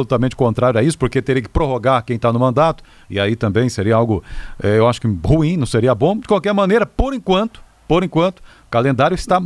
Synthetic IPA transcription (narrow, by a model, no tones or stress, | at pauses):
olut̪amẽnt͡ʃɪ̥kõt̪ɾaɾjʊaisʊ̥poɾket̪eɾiɐkɪ̥pɾoɦoɡaɾkẽj̃t̪anʊmɐ̃nd̪at̪ʊ̥ | ɪ̰ait̪ɐ̃mbẽj̃seɾiɐawɡʊɛewaʃʊ̥kɪhuĩnɐ̃w̃seɾiɐbõd͡ʒɪkwawkɛɾmɐ̃neɾɐpoɾẽkwɐ̃nt̪ʊ̥ | poɾẽkwɐ̃nt̪ʊ̥ | kalẽnd̪aɾjʊɪst̪a